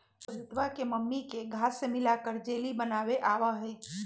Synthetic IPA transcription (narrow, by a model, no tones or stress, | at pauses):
ɐɾɪt̪ʋakeməmːikeɡʱaːsːemɪlaːkəɾd͡ʒeːlibənaːʋeʔaːʋaɦɛː